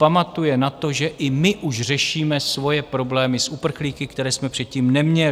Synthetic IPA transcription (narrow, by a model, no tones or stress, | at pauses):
pamat̪ujɛnat̪o̞ʒɛʔɪmɪʔuʃr̝ɛʃiːmɛsvo̞jɛpɾo̞blɛːmɪsʔupr̩xliːkɪkt̪ɛɾɛːsmɛpr̥ɛt̪ciːmnɛmɲɛ